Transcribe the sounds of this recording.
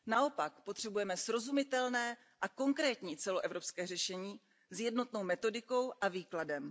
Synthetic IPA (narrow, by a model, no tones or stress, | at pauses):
nao̞pakpo̞t̪r̝̥ɛbujɛmɛsɾo̞zumɪt̪ɛlnɛː | ʔako̞ŋkɾɛːt̪ɲiːt͡sɛloʔɛvɾo̞pskɛːrɛʃɛɲiː | zjɛdno̞t̪no̞wmɛt̪o̞dɪko̞wʔaviːkladɛm